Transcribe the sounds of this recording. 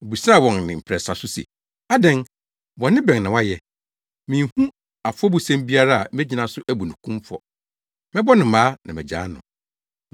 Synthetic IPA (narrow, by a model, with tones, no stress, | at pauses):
o˨bu˨sa˦˨wɔ̃˨nnɪ̃˨m̩˨pʰɾɛ˨sa˨sʊ˦sɛ̰˨ | a˦dɛ̃˦n | wɔ̃˨nɪ̃˦bɛ̃˨n˨nã˨wa˦jɛ˨ | mĩ˨hũ˦ | a˨fʊ˦ɔ˦bu˨sɛ̃˦m˦bi˦a˦ɾa˦a˨mɛ˦d͡ʑi˦˨nã˨sʊ˦ʔæ˦bu˨nũ˨kʰũ˦mfɔ̰˨ | mɛ˦bɔ˦nɪ̃˨mãː˦nã˨mɛ̰˨d͡ʑa̰ː˨˦nʊ̃˨